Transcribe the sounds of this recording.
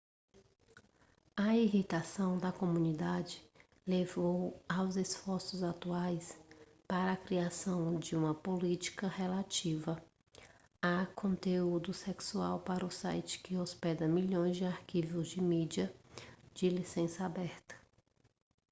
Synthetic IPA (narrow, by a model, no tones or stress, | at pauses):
ɐiɦit̪asɐ̃w̃d̪ɐkomũnid̪ad͡ʒɪ | levowawzesfɔɾsʊzat̪uajs | paɾɐːkɾiasɐ̃w̃d͡ʒɪũmɐpolit͡ʃi̥kɐhelat͡ʃivɐ | akʰõnt̪eud̪ʊseksua̰wpaɾʊsa̰jt͡ʃɪ̥kɪospɛd̪ɐmiʎõj̃zd͡ʒɪaɾkivʊzd͡ʒɪmid͡ʒiɐd͡ʒɪlisẽsɐabɛɾt̪ɐ̥